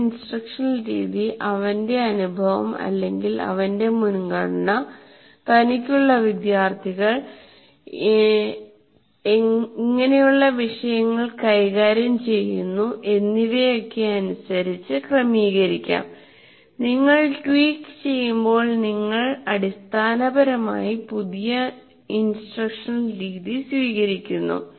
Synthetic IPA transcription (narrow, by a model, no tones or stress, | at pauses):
insʈrɐkʂɐnlɾḭːðiʔɐʋɐnde̞ɐnubʱɐʋɐ̰mɐ̰lːe̞ŋɡilɐ̰ʋɐnde̞munɡɐɽɐɳɐ | t̪ɐnikʲːuɭːɐʋid̪jaːrt̪ʰiɣɐɭ | eŋːɐne̞juɭːɐʋiʂɐjɐŋːɐɭkɐjɣaːɾjɐmt͡ɕe̞jːunːuʔe̞nːiʋe̞jo̞kːe̞ɐnusɐɾit͡ɕːɨkrɐmiːɣɐɾikʲːa̰ːm | niŋːɐɭʈwiːkːt͡ɕe̞jːumbo̞ːɭniŋːɐɭɐɽist̪ʰaːnɐbɐɾɐma̰ːjipuðijɐ | insʈrɐkʂɐnriːðisʋiːɣɐɾikʲːunːṵ